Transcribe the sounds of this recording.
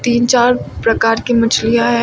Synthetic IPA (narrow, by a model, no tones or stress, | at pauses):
t̪iːnt͡ʃaːɾpɾɐkaːɾkimɐt͡ʃʰlijaɦɛ